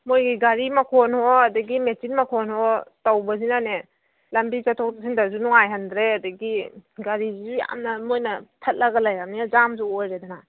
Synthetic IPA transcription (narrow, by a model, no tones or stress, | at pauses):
mojɡiɡaɾimakʰɔnhɔadɐɡimesinmakʰɔnhɔtawbɐsinane | lambizatʰɔkas̬ʰindazunɔŋajɦandɾeadɐɡiɡaɾizizuja̰mnɐmojnɐtʰɐt̚laɡalajamniazamzuojɾedana